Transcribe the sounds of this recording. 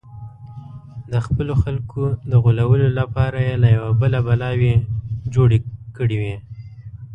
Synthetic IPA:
d̪əxpəloxalkʰod̪əɣulawəlolapɑɾajelajawabəlabalɑwed͡ʒoɽekəɽiwi

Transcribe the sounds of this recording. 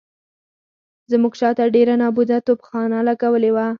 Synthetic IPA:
zmuɡt͡ʃɑt̪aɖeɾanɑbud̪at̪opxɑnalaɡawəlewa

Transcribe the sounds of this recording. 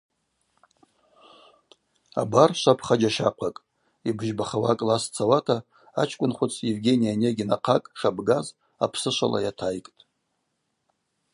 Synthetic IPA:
a̰barʃʷapʰχad͡ʒaʃaqʷʰakʼ | ibʒbaχawakʼlast͡sʰawatʰa | at͡ʃʰkʷʼʊnχʷʊt͡sʰjevɡʲe̞nijaneɡʲinaqʰakʼʂabɡaz | a̰pʰsɨʃʷa̰lʔa̰jatʰajkʼtʼ

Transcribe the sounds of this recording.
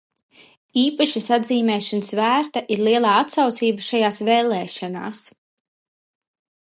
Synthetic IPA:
iːpaʃisad̪ziːmɛːʃansvæːɾt̪aʔiɾlˠiɛlˠaːat̪sawt̪siːbaʃajaːsveːlˠɛːʃana̰ːs

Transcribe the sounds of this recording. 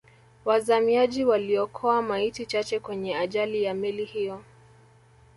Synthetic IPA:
wazamiaʄiwaliɔkʰɔamaitit͡ʃat͡ʃɛkwɛɲɛaʄalijamɛlihijɔ

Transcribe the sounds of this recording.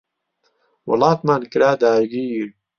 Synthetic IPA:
wɑ̰lɑːt̪maːnkɨɾaːd̪aːɾɡiːɾ

